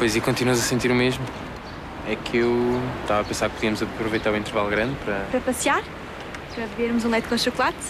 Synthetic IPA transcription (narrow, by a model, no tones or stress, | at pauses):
pojzikõnt̪inuɐzɐsẽnt̪iɾumeʒmu | ɛkʰewʃt̪avɐpẽsaɾk̚puðiɐmzɐpɾuvɐjt̪aɾũĩnt̪ɨɾvalˠɣɾɐ̃nd̪̚pɐɾɐpɾɐpɐsjaɾ | pɾɐveɾmuzũlˠɐjt̪kõʃuklˠat̪